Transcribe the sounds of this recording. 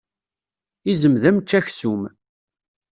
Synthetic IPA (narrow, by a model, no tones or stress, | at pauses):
izəmðæmt͡ʃːæçsum